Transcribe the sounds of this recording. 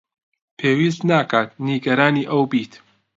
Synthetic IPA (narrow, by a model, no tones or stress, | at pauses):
pʰeːwist̪naːkʰaːt̪niɡɐɾaːniːʔɐwbiːt̪